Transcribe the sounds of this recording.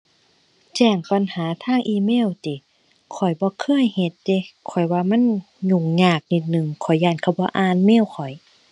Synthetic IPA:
t͡ɕɛː˧˩ŋpa˧˨nhaː˨˦t̪ʰaː˧˥˩ŋʔiː˧meː˧˥˨wt̪i˨˦ | kʰɔ˨˩jbɔː˧˦kʰɤ˧˥˨jhe˧˦t̪̚d̪e˧˦kʰɔ˨˩jwaː˧ma˧˥˨n | ɲu˧˩ŋɲaː˧˩k̚ni˧˩t̪̚nɯ˧˨ŋkʰɔ˨˩jːaː˧˩nkʰa˧bɔː˧˦ʔaː˧˨nmeː˧˥˨wkʰɔ˨˩j

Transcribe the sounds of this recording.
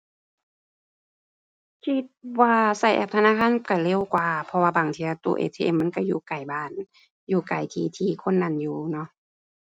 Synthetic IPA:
kʰi˧t̪̚waː˧sa˧˩jʔɛ̰˧p̚t̪ʰa˧naː˧˥˨kʰaː˧˥˨nka˧˩le˧˨wkwaː˧˩pʰɔ˧waː˧˨baː˨˩ŋt̪ʰiː˧ʔa˧t̪ṵː˧˨ʔḛː˧˩t̪ʰeː˧˨ʔe˧˨mːa˧˥˨nka˧˩juː˧˩ka˨˩jbaː˧˩n | juː˧˩ka˨˩jt̪ʰiː˧˩t̪ʰiː˧kʰo˧˥˨nːa˧˩˨njuː˧nɔ˧˨ʔ

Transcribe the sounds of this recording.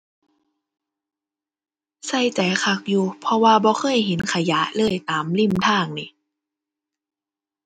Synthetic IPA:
sa˧˥˩jt͡ɕa˨˩jkʰa˧˩k̚juː˧pʰɔ˧waː˧bɔː˧˦xʰɤː˧˥˨jɦe˨˦nkʰa˧ja˨˦lɤː˧˥˩jt̪aː˨˦mli˧˥˩mt̪ʰaː˧˩ŋni˧˩

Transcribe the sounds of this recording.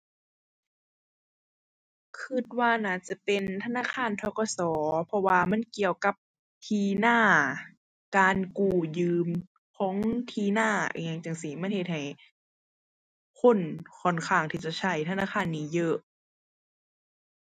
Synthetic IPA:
kʰɯ˧t̪̚waː˧naː˧˩t͡ɕa˧pe˨nt̪ʰa˧naː˧˥˨kxʰaː˧˥˨nt̪ʰɔː˧˩kɔ˧˨sɔː˨˦pʰɔ˧waː˧ma˧˥˨nki˧əwka˧˦p̚ | t̪ʰiː˧naː˧˩ | kaː˨nkuː˧˩jɯː˧m | kʰɔː˨˦ŋŋt̪ʰiː˧˨naː˧˩ʔeː˧˨˧ŋt͡ɕa˧˨ŋsi˧˩ma˧˥˨nhe˧t̪̚ha˨˩j | kʰo˧˥˨nkʰɔ˧˩nkʰaː˧˩ŋt̪ʰiː˧t͡ɕa˧˩t͡ɕʰa˧˩jt̪ʰa˧˨naː˧˥˨xʰaː˧˥˨nːiː˧˥˩jɤ˧˩ʔ

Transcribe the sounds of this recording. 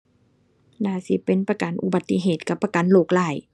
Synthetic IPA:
naː˧˩si˧˦pe˨˦npa˧ka˨˦nʔu˧ba˨˧˦t̪ːi˧˦ɦeː˨˩t̪̚ka˧˦pːa˧ka˨˦nloː˧˩k̚laː˧˩˦j

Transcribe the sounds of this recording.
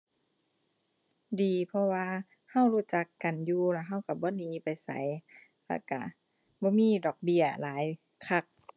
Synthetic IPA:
diː˨pʰɔ˧waː˧ | ha˧˥˨wɾuː˧˥˩t͡ɕa˧˦kːa˨˩njuː˧lɛ˧˩ɦa˧˥˩wka˧˩bɔː˧˦niː˨˦pa˨jsa̰˨˦j | lɛ˧˩ka̰˧˩ | bɔː˧˦miː˧˨dɔː˨˩k̚bi˧˩ɐlaː˨˦j | kʰa˧˩k̚

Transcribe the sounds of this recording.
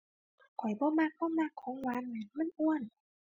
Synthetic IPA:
kʰɔ˨˩jbɔː˧˦ma˧˩k̚bɔː˧˨ma˧˩kʰːɔː˨˦ŋwa˧˥˨nmɯ˧˩˨nmɯ˧˥˨nʔu˧˨ən

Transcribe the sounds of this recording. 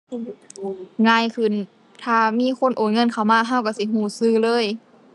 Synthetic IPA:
ŋaː˧˥˨jkʰɯ˧˩n | t̪ʰaː˧˩miː˧˥˨kʰo˧˥˨nʔoː˨˩nŋɤ˧˥˨nkʰa˧˩wmaː˧˥˨ɦa˧˥˨wka˧˩˨si˧˦ɦuː˧˩sɯː˧˥˩lɤː˧˥˨j

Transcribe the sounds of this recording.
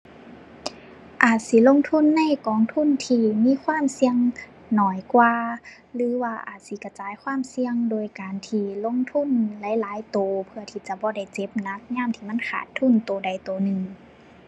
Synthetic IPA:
ʔaː˨˩t̪̚si˧˦lo˧˥˨ŋt̪ʰu˧˥˨nːa˧˩˨jkɔː˨˦ŋt̪ʰu˧˥˨nt̪ʰiː˧miː˧˥˨kʰwaː˧˥˨msi˧əŋ | nɔː˨˩jkwaː˧ | lɯː˨˦waː˧ʔa̰ː˨˩t̪̚si˧˦ka˧˩t͡ɕaː˨˦jkʰwaː˧˥˨msi˧əŋdoː˧˩jkaː˨nt̪ʰiː˧lo˧˥˨ŋt̪ʰu˧˥˨nla˧˦jlaː˨˦jt̪oː˨˩pʰɯ˧ɐt̪ʰiː˧˩t͡ɕa˧˦bɔː˧˦da˧˩jt͡ɕe˧˦p̚na˧˥k̚ɲaː˧˥˨mt̪ʰiː˧ma˧˥˨nkʰa̰ː˨˩t̪ʰːu˧˥˩nt̪oː˨˩da˨˩jt̪oː˨nɯ˨˧ŋ

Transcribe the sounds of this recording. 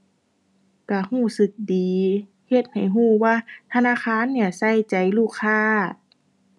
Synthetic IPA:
ka˧˩huː˧˩sɯ˧˦k̚diː˨˦ | he˧˦t̪̚ha˨˩jɦuː˧˩waː˧˥˨t̪ʰa˧naː˧˥˨xʰaː˧˥˨nːi˧˩ɐsa˧˩˨jt͡ɕa˨˩jluː˧˩kʰːaː˧˨

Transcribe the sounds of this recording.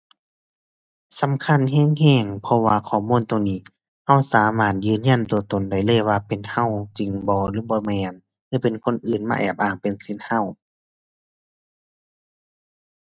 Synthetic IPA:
sa˨˦mkʰa˧˥˨nɦɛː˧˥˨ŋhɛː˧˩˨ŋpʰɔ˧waː˧kʰɔː˧˩˨muː˧˥˨nt̪o˧˨ŋniː˧˩˨ | ha˧˥˩wsaː˨˦maː˧˩t̪̚jɯː˧˨nɲa˧˥˨nt̪u˧˩ət̪o˨nda˧˩jlɤː˧˨jwaː˧pe˨nha˧˥˨wt͡ɕi˨ŋbɔː˧˦lɯː˧˦bɔː˧˦mɛː˧˩n | lɯː˧˦pe˨nkʰo˧˥˨nʔɯː˨˩nma̰ː˧ʔɛː˨˩p̚ʔaː˧˩ŋpe˨nsi˧˥˨nha˧˩˨w

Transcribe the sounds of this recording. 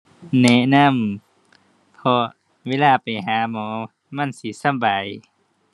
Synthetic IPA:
nɛ˧ʔna˧˥˨m | pʰɔ˧ | weː˧˥˨laː˧˨pa˨jɦaː˨˦mɔː˨˦ | ma˧˥˨nsi˧˦sa˧˨mba˨˩j

